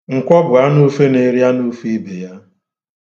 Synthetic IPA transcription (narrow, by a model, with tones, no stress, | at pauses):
ŋ̩˨kʷɔ˦bʊ˨a˦nu˦fe˦ne˨ɾi˦a˦nu˦fi˦be˨ja˦